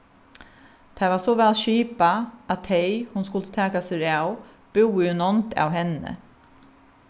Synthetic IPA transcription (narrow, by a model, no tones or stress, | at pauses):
t̪ʰavasɔʋɛlʃiːpaæt̪ʰɛjhʊnskʊlt̪ə̥t̪ʰaːkasɪɹaw | b̥ɪwɪjʊnɔnt̪a̰wɦɛnə̰